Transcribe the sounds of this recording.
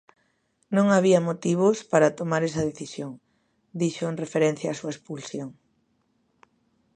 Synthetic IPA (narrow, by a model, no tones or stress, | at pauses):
nõŋaβiɐmot̪iβ̞ʊspaɾɐt̪omaɾɛsɐðeθisjoŋ | d̪iʃonrefeɾɛn̟θjaːsuɐespulsjoŋ